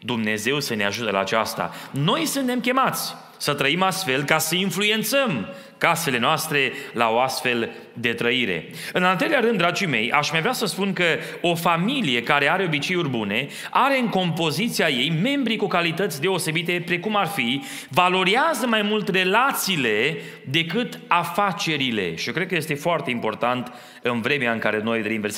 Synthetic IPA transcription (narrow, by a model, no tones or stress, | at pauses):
d̪umne̞ze̞wsəne̞aʒut̪əla̰ːt͡ʃa̰st̪a̰no̞jsunt̪e̞mkʲe̞mat̪sʲ | sət̪ɾəimast̪fe̞lkasəinflue̞nt̪səm | kase̞le̞noast̪ɾe̞la̰o̞ast̪fe̞l | d̪e̞t̪ɾəiɾe̞̰ | ɨnalt̪ɾeleaɾɨnd̪ɾad͡ʒijme̞̰ja̰ʃmajvɾeasəspunkə | o̞familije̞kaɾe̞aɾe̞o̞bit͡ʃe̞jurbune̞ | aɾe̞ɨŋko̞mpo̞zit̪siaje̞jme̞mbɾikukalit̪ət̪sʲd̪e̞o̞se̞bit̪e̞pɾe̞kumarfi | valo̞ɾiazəmajmult̪re̞lat̪siːle̞ | d̪e̞kɨt̪afat͡ʃe̞ɾile̞̰ʃiokɾe̞d̪̚kəje̞st̪efoart̪e̞impo̞rt̪ant̪ | ɨnvɾe̞meaɨŋkaɾe̞no̞jd̪ɾeinves